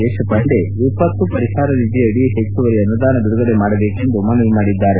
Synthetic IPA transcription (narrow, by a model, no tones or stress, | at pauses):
ɛːʂɐpɐɳɖeipːɐt̪ːupɐɾiɦaːɾɐnid̪ijɐɽiɦet͡ʃːuʋɐɾijɐnud̪aːnɐd̪uɽuɡɐlemaːɽɐbe̞ːkend̪umɐnɐlimaːɽid̪ːaːɾe